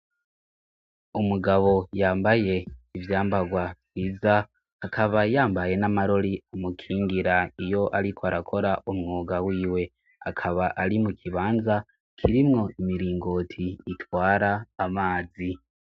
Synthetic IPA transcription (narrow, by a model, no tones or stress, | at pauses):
umuɡaβo̞jaːmbaje̞ivjaːmbaɡwavwiːza | hakʰaβajaːmbaje̞namaɾo̞ɾiamukʰiːŋɡiɾaijo̞ʔaɾikʰoaɾakʰo̞ɾaʔumŋuːɡawiːwe̞ | a̰kʰaβaʔaɾimukʰiβaːnza | kʰiɾimŋo̞imiɾiːŋɡo̞ːtʰiːtwaːɾaːmaːzi